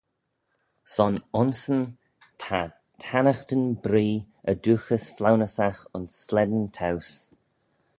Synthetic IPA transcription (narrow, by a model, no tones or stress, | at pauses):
sɔnʊnsən | tʰa | tʰanəxtənbɾiː | əduːxəsflawnəsaxʊnsːlɛd̪əntʰaws